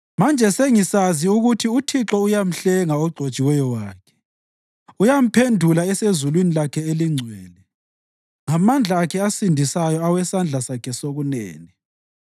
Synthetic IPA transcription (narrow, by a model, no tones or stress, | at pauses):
mand͡ʒʱɛseŋisaziuɣutʰiutʰiǁɔujam̩ɬɛŋaoɡ͡ǀʱo̥t͡ʃʼiwɛjɔwaːkʰɛ̥ | ujam̩pʰendʱulaɛsezulwinilakʰɛeliŋ͡ǀʱwɛːlɛ | ŋamand͡ɮʱaːkʰɛasindʱisajɔawɛsand͡ɮʱasakʰɛsoɣunɛ̰ːni